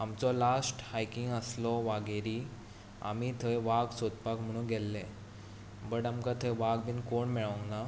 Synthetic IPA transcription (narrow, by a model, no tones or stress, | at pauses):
amt͡sɔlasʈhajkiŋɡəslɔʋaɡeɾi | a̰mit̪ʰəjʋaɡsod̪pakm̤əɽ̃ũɡʱɛlːɛ | bəɽamkat̪ʰəjʋaɡbʱiːnkoɳmɛɭə̃ŋɡna